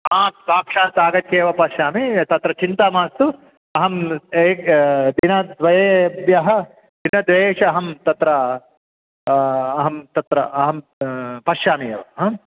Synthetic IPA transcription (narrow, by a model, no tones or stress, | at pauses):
ɦãːsaːkʂaːnsaːɡɐt̪ʰjeːʋɐpɐʃjaːmit̪ɐt̪ɾɐt͡ʃint̪amaːst̪u | ɐɦɐmeːkd̪inɐd̪ʋɐjebjɐɦɐ | d̪inɐd̪ʋeːʂɐɐɦɐmt̪ɐt̪ɾɐ | ɦɐmt̪ɐt̪ɾɐɐɦɐmpɐʃjaːmijeːʋɐɦɐ̃ː